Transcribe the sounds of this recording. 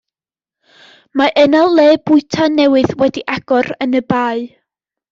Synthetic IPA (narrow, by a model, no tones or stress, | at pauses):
maʔɛnalˠːeːbʊɨtʰanɛwɨðwɛdiʔaɡ̥ɔɾənəbaːɨ